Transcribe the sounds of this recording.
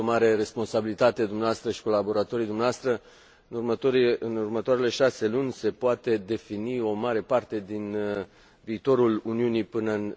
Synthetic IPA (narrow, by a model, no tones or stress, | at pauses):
omaɾe̞re̞spo̞nsabilit̪at̪e̞d̪umneaast̪ɾəʃi̥ko̞labo̞ɾat̪o̞ɾid̪umneaast̪ɾə | ɨnurməoɨnurmət̪oaɾe̞le̞ʃase̞lunʲse̞poat̪e̞d̪e̞finio̞maɾe̞part̪e̞d̪in | viːt̪o̞ɾuluniunipɨnən